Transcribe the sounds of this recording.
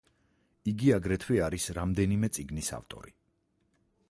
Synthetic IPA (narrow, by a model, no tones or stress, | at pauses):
iɡiaɡɾɛt̪ʰwiaɾisɾamd̪ɛnimɛt̪sʼiɡnisa̰ft̪ʼɔ̰ɾi